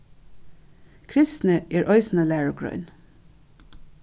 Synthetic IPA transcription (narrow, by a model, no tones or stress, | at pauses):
kʰɾɪst̪n̩əʔeːɹʔɑʏsn̩əlæːɹʊɡɹœ̰ʏn